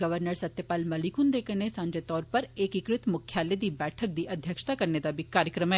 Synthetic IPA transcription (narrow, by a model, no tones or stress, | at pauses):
ɡəʋəɾnəɾsɐt̪jəpaːlmɐlikʊnd̪eːkənesãːɲd͡ʒet̪ɔːɾpɐɾeːkikɾɪt̪mʊkʰjaːled̪iːbɛːʈʰək̚d̪iːʔɐd̪ʱjəkʃt̪akɐɾned̪abʱikaːɾjəkɾəmɛː